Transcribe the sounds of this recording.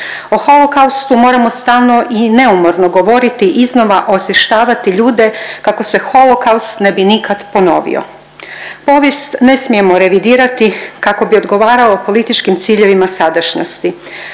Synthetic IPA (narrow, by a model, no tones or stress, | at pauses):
oxo̞lo̞kawst̪umo̞ːɾamo̞st̪aːlˠno̞ʔine̞umo̞ɾno̞ɡo̞ʋo̞ɾit̪iʔizno̞ʋaʔo̞sje̞ʃt̪aːʋat̪iʎuːd̪e̞kako̞se̞xo̞lo̞kaust̪ne̞binikad̪po̞no̞̰ʋḭo̞̰ | po̞ʋje̞st̪ne̞smije̞mo̞ɾe̞ʋid̪iːɾat̪ikako̞bio̞d̪ɡo̞ʋaːɾaopo̞lit̪it͡ʃkimt̪siːʎe̞ʋimasad̪aʃɲo̰st̪i